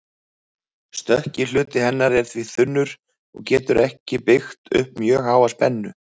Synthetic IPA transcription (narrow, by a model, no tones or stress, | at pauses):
st̪œhcɪl̥ʏːt̪ɪhɛnːaɾɛɾ̥θviθʏnːʏɾ | ɔ̰ɣcɛːt̪ʏɾɛhcɪpɪxt̪ʏ̰hp̚mjœːɣhaːwaspɛnːʏ